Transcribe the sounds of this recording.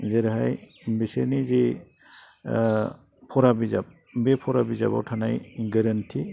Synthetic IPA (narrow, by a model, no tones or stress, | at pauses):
zeɾɦaj | bisenizi | pʰɔɾabiza̰b̚ | bepʰɔɾabiza̰ba̰wtʰanajɡəɾantʰi